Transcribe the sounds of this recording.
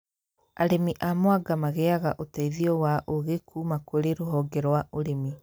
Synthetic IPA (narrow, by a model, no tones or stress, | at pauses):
aɾemiʔamoaɡamaɣɛaɣaʔotaiðiɔwaʔoɣekʰuːmakoɾeɾoɦɔɡɛɾwaoɾemi